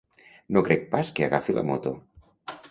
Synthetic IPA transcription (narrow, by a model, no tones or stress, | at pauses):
nokɾɛk̚paskeaɣafilʔa̰mot̪o